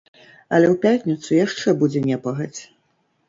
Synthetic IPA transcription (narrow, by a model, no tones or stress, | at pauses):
ɐ̰lʲɛwpʲatʲnʲit̪sujaʂt͡ʂɛbud͡zʲɛnʲɛpɐɣɐt͡sʲ